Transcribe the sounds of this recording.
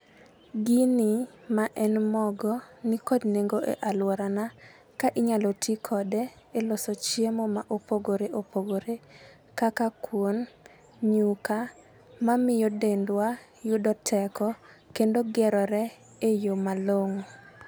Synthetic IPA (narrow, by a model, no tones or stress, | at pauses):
ɡini | maʔɛnmɔɡɔnikɔdneŋɡoʔḛʔalwɔɾana | kaʔɪɲalɔtʰikʰɔdɛ | elɔsɔt͡ʃjemomaʔopoɡoɾeʔopoɡoɾe | kakakwon | ɲuka | mamɪjodendwa | jʊdɔtʰɛkɔkendoɡɛɾɔɾɛ | ejomaloŋ